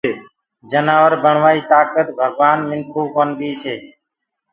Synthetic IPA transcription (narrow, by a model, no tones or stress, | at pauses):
d͡ʒənaːʋəɾbəɳʋaːiːt̪aːkət̪bʱəɡʋaːnmɪnkʰuːkoːnd̪iːt͡ʃʰeː